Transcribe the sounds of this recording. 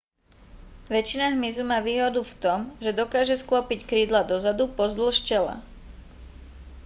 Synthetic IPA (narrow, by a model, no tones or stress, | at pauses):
ʋɛt͡ʃinaɦmizumaːʋiːɦɔd̪uft̪ɔmʒɛd̪ɔkaːʒɛsklɔpickɾiːd̪lad̪ɔzad̪upɔzd̪l̩ʃcɛla̰